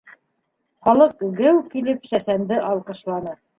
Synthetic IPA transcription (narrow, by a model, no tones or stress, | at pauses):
χɑlˠɤqɡɘwkilɘpsæsænd̪ɘʔɑlˠqɤ̆ʃlˠɑnɤ